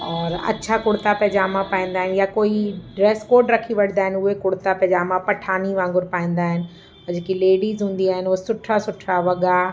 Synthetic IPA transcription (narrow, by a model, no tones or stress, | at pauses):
ɔːɾɐ̰tːʃʰakʊɽt̪apɐɦd͡ʑaːmãpaːĩːnd̪aːɦɪnɪjakoːiɖɾeːskoːɾɖɾɐkʰiʋɐɽ̤̃nd̪aːɦɪnɪ̆ʊɦekʊɽt̪apɛɦd͡ʑaːmãpɐʈʰaːniʋãːŋɡʊɾpaːĩːnd̪aːɦɪnɪ̆ | ɐd͡ʑkileːɽiːzɦũːn̆d̪iaːɦɪnʋoːsʊʈʰasʊʈʰaʋɐɠa